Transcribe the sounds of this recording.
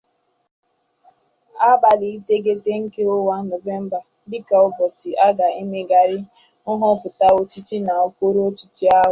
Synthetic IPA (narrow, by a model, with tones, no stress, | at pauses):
a˦ba˨li˨i˦te˦ɡe˦te˦ŋ̩˦ke˦ʊ˦wa˦no˨ve˦m̩˦ba˨˦dɪ˦ka˨ʊ˨bɔ˨tɪ˨a˦ɡa˨i˦me˦ɡa˨ɾɪ˦ | ʊ˦ɦʊ˦pʊ˨ta˦o˦t͡ʃi˦t͡ʃi˦na˨o˦kʷo˦ɾu˦o˦t͡ʃi˦t͡ʃi˦a˦ɦʊ˨